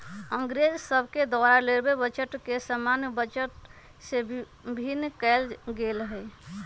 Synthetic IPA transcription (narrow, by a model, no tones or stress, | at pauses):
əŋɡɾed͡ʒsəbʱked̪aɾaleɾbebət͡ʃəʈkesəmanbət͡ʃəʈ | se | bʱinːkɛlɡelɦɛ